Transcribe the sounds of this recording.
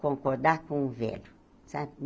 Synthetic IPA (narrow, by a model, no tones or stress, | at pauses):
kõŋkɔɾd̪akũũvɛ̰lu | sam